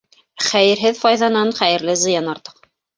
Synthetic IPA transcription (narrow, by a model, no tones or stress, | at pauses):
χæjɘ̆ɾɦɘðfɑjðɑnɑnχæjɘ̆ɾlɘzɤ̆jɑnɑɾt̪ɤ̥q